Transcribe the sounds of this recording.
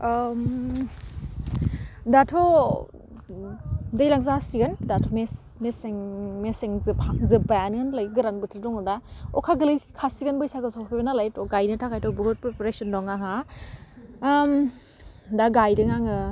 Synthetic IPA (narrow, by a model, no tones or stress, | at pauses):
m | datʰɔ | dajlaŋzasiɡɯndatʰɔmes | meseŋmeseŋzpʰaŋzɯbajanɯnlajɡɯɾanbɯtʰɯdɔŋɯdaɔ̰kʰaɡɯlɯjkʰasiɡɯnbɯjsaɡɯsɔpʰibenalajtɔɡajnɯtʰakʰajtɔbɯɦut̚pɾepɔɾesɔndɔŋaɦa | m | daɡajdɯŋaŋɯ